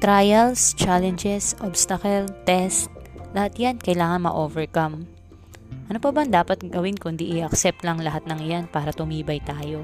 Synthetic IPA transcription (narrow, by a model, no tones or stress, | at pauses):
t̪ɾajɐlst͡ʃalɛnd͡ʒɛsʔobst̪ɐkɛlt̪ɛst̪̚lɐhat̪jankɐjlaːŋɐnmɐ̰ʔoːvɛɹkɐm | ʔɐnopɐbɐnd̪aːpɐt̪̚ɡɐwɪnkʊnd̪iʔɪʔɐk̚sɛp̚t̪lɐŋlɐɦat̪̚nɐŋjanpaːɾɐt̪ʊmiːbɐjt̪aːjo̞